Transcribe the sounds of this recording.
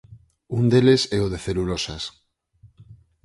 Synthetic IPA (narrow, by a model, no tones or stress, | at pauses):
und̪elesɛoð̞eθelulosas